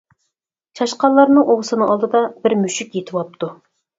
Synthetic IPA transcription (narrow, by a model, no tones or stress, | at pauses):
t͡ʃʰɑʃqɑnlˠːɑɾnɨŋʔoʁəsɨnɨŋɑlˠd̪ɨd̪ɑbɪɾmyʃykʲjet̪ʰɨwɑp̚t̪ʰu